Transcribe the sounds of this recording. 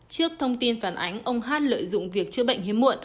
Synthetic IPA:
t͡ɕɨ˦˥ək̚t̪ʰə˧wŋ͡mt̪i˧nfaː˨˩nʔa˨˦jŋ̟ʔə˧wŋ͡mɦaː˦˥t̚lə̰ː˧˨jzʊ̰˧˨ŋ͡mvi˨˩ək̚t͡ɕɨ˧˦əɓə̰˧˨jŋ̟ɦi˨˦mṵ˧˨ən

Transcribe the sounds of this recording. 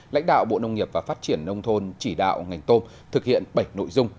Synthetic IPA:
la̰˧˥jŋ̟ɗa̰ː˧˨wɓo̰˧˨nə˧wŋ͡mŋi˨˩əp̚vaː˨˩faː˦˥t̚t͡ɕi˧˩ənːə˧wŋ͡mt̪ʰo˧nt͡ɕi˧˩ɗa̰ː˧˨wŋa˨˩jŋ̟t̪o˧m | t̪ʰɨ˨˩k̚hḭ˧˨ənɓə˧˩jno̰˧˨jzʊ˧ŋ͡m

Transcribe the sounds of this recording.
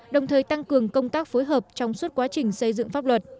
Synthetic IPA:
ɗə˨˩wŋ͡mt̪ʰəː˨˩jt̪a˧ŋkɨ˨˩əŋkə˧wŋ͡mt̪aː˦˥k̚foː˨˦jɦəː˨˩p̚t͡ɕɔ˧wŋ͡mswə˦˥t̚kwaː˨˦t͡ɕï˨˩ŋ̟sə˧jzɨ̰˧˨ŋfaː˦˥p̚lwə˨˩t̚

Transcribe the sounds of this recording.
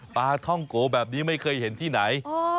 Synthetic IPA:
paː˧t̪ʰɔ˥˩ŋkoː˨˦bɛː˨˩p̚niː˦˥ma˥˩jkʰɤː˧jhe˩˦nt̪ʰiː˥˩na˩˦j

